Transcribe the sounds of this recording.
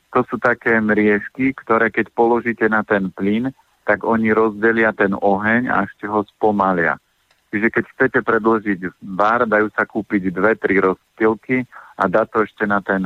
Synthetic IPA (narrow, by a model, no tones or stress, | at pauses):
t̪ɔsuːt̪akɛːmɾɪɛʃkikt̪ɔɾɛːkɛcpɔlɔʒiːcɛnat̪ɛnplin | t̪aɡɔɲiɾɔzɟɛlɪat̪ɛnɔɦɛɲa̰ɛʃcɛɦɔspɔmalɪa̰ | t͡ʃiʒɛkɛcxt͡sɛcɛpɾɛd̪lɔʒiɟʋaɾd̪ajuːsakuːpiɟd̪ʋɛt̪ɾiɾɔstilkia̰d̪aːt̪ɔɛʃcɛnat̪ɛn